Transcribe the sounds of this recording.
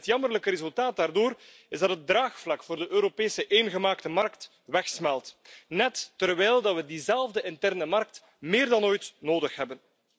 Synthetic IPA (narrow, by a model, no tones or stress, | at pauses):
ətjɑmərləkəɾezɵlˠtaːt̚daːrdoːr | ɪzdɑtɦədraːxflɑkfoːrdəʔøːɾopeːsəʔeːnɣəmaːktəmɑrkt | ʋɛxsmɛlˠtnɛtːərʋɛːlˠdɑtʋədizɛlˠvdəɪntɛrnəmɑrk̚t | mɪːrdɑnoːjtnoːdəxɦɛbən